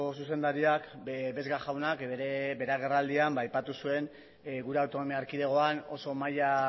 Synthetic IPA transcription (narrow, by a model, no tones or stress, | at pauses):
osuse̞nd̪aɾiakbe̞zɣaʝawnakeebe̞ɾaɣ̞e̞rald̪iambaːjpat̪usue̞n | ɣuɾe̞awt̪o̞no̞miaːɾkiðe̞ɣ̞o̞ano̞so̞maja